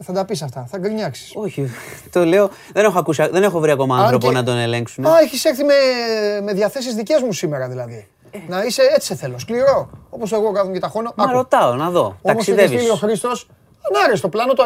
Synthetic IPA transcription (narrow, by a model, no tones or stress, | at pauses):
θɐd̪ɐpisɐft̪ɐθɐɡɾiɲɐksi̥soçit̪ole̞o | ðene̞xoɐkusiɐðe̞ne̞xo̞vɾiɐko̞mɐɐ̃nθɾo̞ponɐd̪one̞le̞ŋksuneɐeçiseɾθimemeðʝɐθe̞s̬izðice̞zmusime̞ɾɐðilɐði | nɐise̞et͡si̥seθe̞lo̞skliɾo̞o̞po̞seɣo̞kɐðomcet̪ɐxo̞nomɐɐɾo̞t̪ɐonɐðo̞toɐkosiðesviinioxɾist̪o̞s | ɐnɐɾest̪o̞plɐno̞t̪o